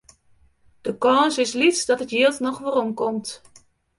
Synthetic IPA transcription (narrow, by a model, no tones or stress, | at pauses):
d̥əkɔːnsɪslitsdɑtɦətjiəlˠtnɔχʋərɔmkɔmt